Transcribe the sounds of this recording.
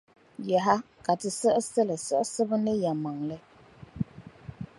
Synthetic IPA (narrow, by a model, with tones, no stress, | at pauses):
ja˨ɦa˦ka˨tɨ˨sə˦ʔsɛ˦lɛ˨sə˦ʔsə˦bɨ˦nɨ˦ja˨ma˨ŋlɛ˦